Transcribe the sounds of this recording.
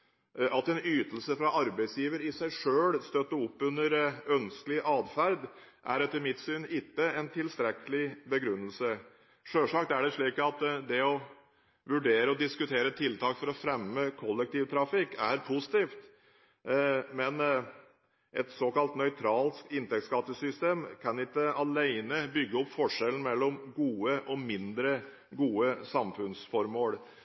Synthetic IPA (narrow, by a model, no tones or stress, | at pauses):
ʔɑt̪ɛnyːt̪əlsəfɾɑʔɑɾbæɪsjiːʋəɾɪsæɪʂøːlst̪øt̪ːəʊpːʉnːəɾœnsklɪʔɑːd̪fæɾd̪ | ʔæ̰ɾɛt̪əmɪt̪syːnɪt̪ːəɛnt̪ʰɪlst̪ɾɛkəlɪbəɡɾʉnːəlsə | ʂøːʂɑk̚t̪æɖɛʂɭiːkɑt̪d̪ɛɔ | ʋʉɖeːɾəɔd̪ɪskʉt̪ʰeːɾət̪ʰɪlt̪ʰɑːkfɔɾɔfɾɛmːəkʰɔlːɛk̚t̪iːʋt̪ʰɾɑfɪkːæɾpʰʊsɪ̥t̪iːft̪ | mɛn | ʔɛt̪soːkɑlt̪nœʏt̪ʰɾɑːlsk̚t̪ɪnt̪ɛkt̪skɑt̪ːəsʏst̪eːmkʰɑnɪt̪əɑlæɪnəbʏɡːəɔpːfɔʂɛln̩mɛlːɔmɡuːəʔɔmɪnd̪ɾə | ɡuːəsɑmfʉnsfɔɾmoːɽ